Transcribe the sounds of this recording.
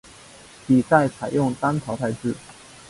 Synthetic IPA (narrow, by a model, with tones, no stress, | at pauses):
pi˨˩sa˥˩ɪt͡sʰa˨˩ɪjʊ˥˩ŋt̪a˥nt̪ʰɑ˧˥ʊt̪ʰa˥˧ɪʈ͡ʂɻ̩˥˩